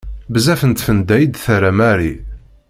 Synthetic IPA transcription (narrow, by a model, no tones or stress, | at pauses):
bəzæfənt̪fənd̪æjid̪θæɾæmæɾi